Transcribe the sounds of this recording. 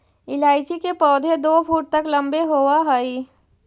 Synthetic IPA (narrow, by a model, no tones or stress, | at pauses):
ɪlaːɪd͡ʒikepɔːd̪ʱed̪oːpʰuːʈ̚t̪əklə̃mbeɦoːwaɦəi